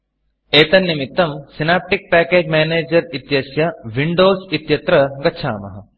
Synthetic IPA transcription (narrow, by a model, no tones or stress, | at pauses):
eːt̪ɐnːimit̪ːɐmsinaːp̚ʈik̚pæːkeːd͡ʒmeːneːd͡ʒɐɾit̪jɐsjɐʋiɳɖoːsit̪jɐt̪ɾɐɡɐtːʃʰa̰ːmɐ̰ɦɐ